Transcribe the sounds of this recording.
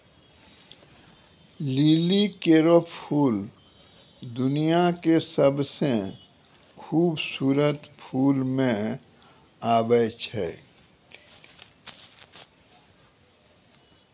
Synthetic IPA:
liːlikeɾoppʰuːl | d̪ʊnijakesəbse | xʰuːbsuːɾət̪pʰuːlmẽ | aːbəjt͡ʃʰɛ̰

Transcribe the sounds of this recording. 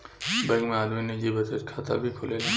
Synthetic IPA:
bɐ̃ɡmẽaːd̪minid͡ʒibət̪ət͡ʃkʰaːt̪a̰bʱikʰoːleːlaː

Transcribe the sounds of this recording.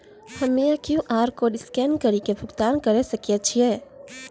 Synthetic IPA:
hɐmejakjuʔaːɾkoɖɪskɛːnkəɾikebʱʊɡt̪aːnkɐɾesɐkiat͡ʃʰiɛː

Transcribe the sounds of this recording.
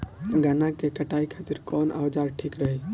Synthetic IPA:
ɡanakekəʈaikʰət̪iɾkɔnʔa̰wd͡ʒaɾʈʰikɾəɦɛ

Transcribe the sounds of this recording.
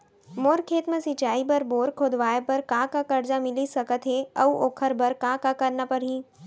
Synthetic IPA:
moːɾkʰeːt̪mẽsɪt͡ʃaːibɐɾboːɾkʰod̪ʋaːjepɐɾkãːkakɐɾd͡ʒamɪlisɐkət̪ɦeɐuʔoːkʰəɾbɐɾkãːkakɐɾnapɐɾɦĩː

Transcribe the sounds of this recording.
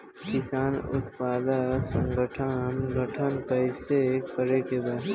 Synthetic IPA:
kɪsaːnʊ̰t̪paːd̪asə̃ŋɡəʈʰənɡəʈʰənkəɪsekəɾekebaː

